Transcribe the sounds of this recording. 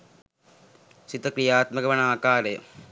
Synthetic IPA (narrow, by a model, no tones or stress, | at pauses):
sit̪ɐkɾijaːt̪mɐkɐʋɐnaːkaːɾəjə